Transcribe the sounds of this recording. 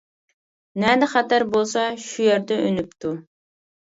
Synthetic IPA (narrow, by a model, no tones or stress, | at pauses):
nɛd̪ɛχæt̪æɾbolˠsɑʃujɛɾd̪ɛʔønypt̪ʰu